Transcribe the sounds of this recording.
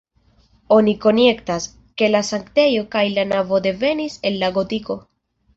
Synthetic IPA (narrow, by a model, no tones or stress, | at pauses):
o̞niko̞ne̞ktas | ke̞lasaŋkte̞jo̞kajlanavo̞de̞ve̞nise̞lːaɡo̞tiko̞